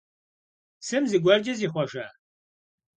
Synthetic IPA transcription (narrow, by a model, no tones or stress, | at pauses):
sɨmziɡʷɐrd͡ʒɐziːχʷɔʒɐ